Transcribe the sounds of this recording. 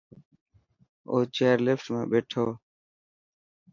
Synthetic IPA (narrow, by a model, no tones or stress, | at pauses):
oːt͡ʃeːɾlɪfʈmã̰ːɓeːʈʰoː